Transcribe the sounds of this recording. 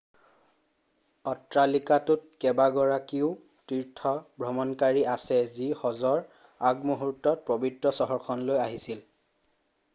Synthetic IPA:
ɔtɹalikatʊt̚kɛbaɡɔɹakiʊ | tiɹtʰɔbʱɹɔmɔnkaɹiasɛzixɔzɔɹ | aɡmuɦutːɔt̚pɹɔbidɹɔsɔɦɔɹkʰɔnlojaɦisil

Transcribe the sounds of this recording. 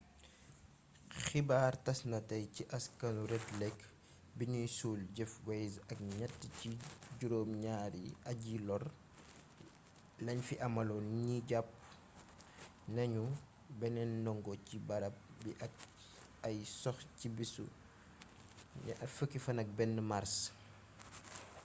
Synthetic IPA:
xibaːrtɐsnɐtɐjciʔɐskɐnuɾɛtlɛk | biɲujsuːlɟɛfwɛjzɐk̚ɲɐtːciɟuɾoːmɲaːɾḭɐɟilɔr | lɐɲfiʔɐmɐlɔɲiɟɐp̚ | nɐɲu | bɛnɛnɔŋɡɔcibɐɾɐp̚biʔɐk | ɐjsɔxcibisṵ | ɐfəkːifɐnɐk̚bɛnːəmaɾs

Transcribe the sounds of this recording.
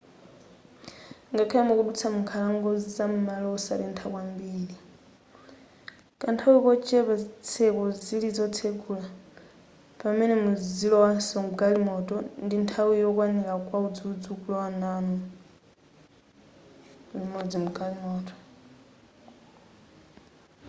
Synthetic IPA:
ŋɡakʰɛjamukuɗut͡sʰamuŋkʰalaŋɡɔzizamumalɔɔsa̰ɾɛntʰakwambiːɺi | kʼantʰawkɔt͡ʃʰʼɛpat͡sʰɛkɔzilid͡zɔt͡sʰekʰula | pamɛnɛmuzilɔwasɔmuɡalimɔtʼɔndintʰawijɔkwanilakwaud͡zud͡zukulɔwananɔ | uimɔd͡zimuɡalimɔːtʼɔ̥

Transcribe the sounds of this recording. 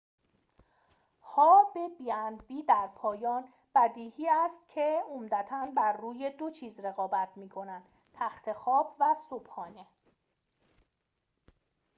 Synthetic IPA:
hɒːbebiænd̪biːd̪æɾpʰɒːjɒːn | b̥æd̪iːhiːæst̪cʰe̞omd̪æt̪ʰænbæɾːuːje̞d̪o̞t͡ʃʰiːzɾe̞ɣɒːbæt̪ʰmiːkʰo̞nænd̪̥ | t̪ʰæxt̪ʰe̞xɒːb̥væsob̥hɒːne̞

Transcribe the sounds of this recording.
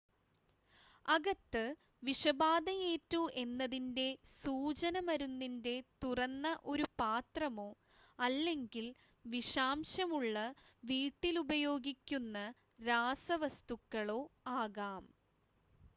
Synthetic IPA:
ɐɡɐt̪ːɨ | ʋiʂɐbaːd̪ɐje̞ːtːuʔe̞nːɐðinde̞suːt͡ɕɐnɐmɐɾunːinde̞t̪urɐnːɐʔo̞ɾupaːt̪rɐmo̞ː | ɐlːe̞ŋɡil | ʋiʂaːmɕɐmuɭːɐʋiːʈːilubɐjo̞ːɡikʲːunːɐ | ɾaːsɐʋɐst̪ukːɐɭo̞ːaːɣaːm

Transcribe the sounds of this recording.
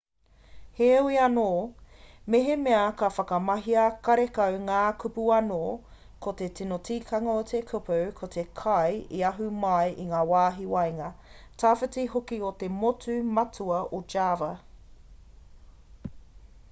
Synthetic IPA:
heuiɐnoː | meɦemeɐkɐfɐkɐmɐɦiɐkɐɾekɐwŋaːkʰupuɐno | kʰot̪etinotʰiːkʰɐŋɐot̪ʰekʰupɐwkʰot̪ekʰɐjiɐɦumɐjʔiŋaːwaːɦiwɐjŋɐtʰafɐtihokiot̪e̞motʉmɐtuɐʔod͡ʒaːvɐ

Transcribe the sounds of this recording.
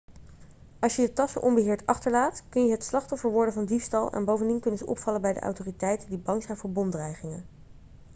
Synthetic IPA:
ɑlˠʃjədətɑsə̰ʔɔmbəɦɪːɹtɑχtəɹlaːtkɵnjəɦətslɑχtɔfəɹʋɔɹdəvɑndifstɑlˠɛ̰nbowvəndinkɵnəzəʔɔ̰pfɑləbɛjdə̰ʔa̰wtoːritɛjtəndibɑŋzɛjnvʊːɹbɔndrɛjχɪŋən

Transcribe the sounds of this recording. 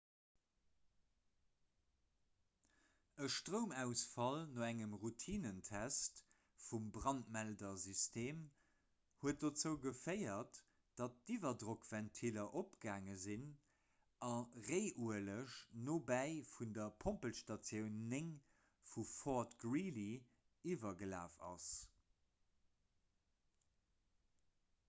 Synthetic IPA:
əʃtʁəʊmæʊsfɑlnoːæŋəmʁutʰiːnəntʰæst | fumbʁɑnt̚mældɐzystʰeːm | huət̚d̥ot͡səʊɡəfəɪɐt | d̥ɑt̚divɐdʁokv̥æntʰilɐʔopɡaːŋəzin | ɑʁeɪʔuələʃnoːbæɪfundɐpʰompəlʃtɑt͡sjəʊnːeŋ | fufɔtɡɹili | ivɐɡəla̰ːfɑ̰s

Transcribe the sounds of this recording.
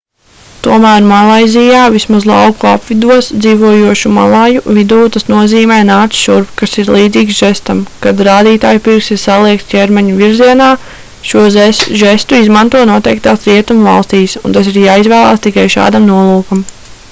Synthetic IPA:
t̪uɔmæːɾmalˠajzijaːvismazlˠɑ̰wkuapvid̪uɔsd̪ziːvuɔjuɔʃuma̰lˠajuvid̪uːt̪asnuɔziːmɛːnaːt̪sʃuɾpkasiɾlˠiːd̪ziːksʒ̥ɛst̪amkad̪ɾaːd̪iːt̪aːjpiɾksiɾsalˠiɛk̚t̪cʲɛɾmɛɲuviɾziɛnaː | ʃuɔzʒɛst̪uizmant̪uɔnuɔt̪ejk̚t̪aːsɾiɛt̪umva̰lˠst̪iːsṵnt̪asiɾjaːizvæːlˠaːst̪ikajʃa̰ːd̪amnuɔlˠuːkam

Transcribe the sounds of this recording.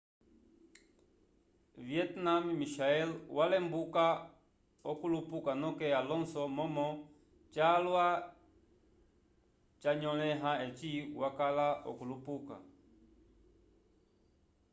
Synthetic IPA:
viɛtnammiʃaɛlwalɛmbuka | ɔkulupukanɔkɛalɔnsɔmɔmɔ | t͡ʃalwa | t͡ʃaɲɔlɛɦaɛt͡ʃiwakalaɔ̰kulupuka̰

